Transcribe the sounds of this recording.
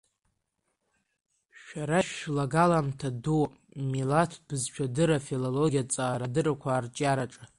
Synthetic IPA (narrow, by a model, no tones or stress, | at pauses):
ʃᶣaɾaʃlaɡalamtʰadu | milatʰbɨzt͡ʃʷᶣʰadɨɾafiloloɡʲijat͡sʼaːɾadɨrakʷʰaːrt͡ʃʼaɾaʈ͡ʂʼa